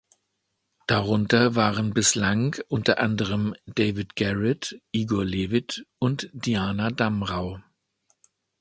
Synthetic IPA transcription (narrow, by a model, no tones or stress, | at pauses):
d̥aʁʊntɐvaːʁənbɪslaŋʔʊntɐʔandəʁəmd̥eɪvɪtɡ̥ɛʁɛtʔiːɡɔɐleːvɪtʔʊntd̥iaːnadamʁaʊ